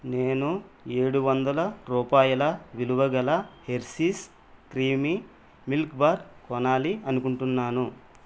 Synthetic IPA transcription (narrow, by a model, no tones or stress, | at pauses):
neːnueːɽuʋɐnd̪ɐlɐɾuːpaːjɐlɐʋiluʋɐɡɐlɐhe̞ɾsis | kɾiːmi | milkbaːɾkɔnaːliɐnukuɳʈunːaːnu